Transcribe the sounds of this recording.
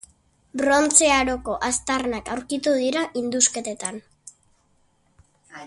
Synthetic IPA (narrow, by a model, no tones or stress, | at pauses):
bɾo̞nt͡seaɾo̞ko̞ʔast̪arnakawɾkit̪uðiɾaʔind̪uske̞t̪e̞t̪an